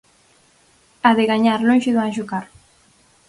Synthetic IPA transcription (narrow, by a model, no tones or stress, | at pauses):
aðeɣaɲaɾloŋʃɪðuaʒukaɾ